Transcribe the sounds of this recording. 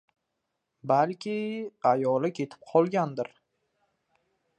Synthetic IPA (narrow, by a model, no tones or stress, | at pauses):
balkʲʰɪajɒlɪkʲʰe̞t̪ʰɪ̥p̚qʰɒlˠɡʲand̪ɪɾ